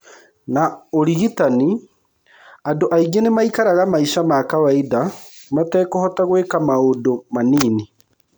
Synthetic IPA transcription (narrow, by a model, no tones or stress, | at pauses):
naoɾiɣitani | andoʔaiɡenemaikaɾaɣamaiʃamakawaiða | matɛːkohɔtaɣwekamaodomaniːni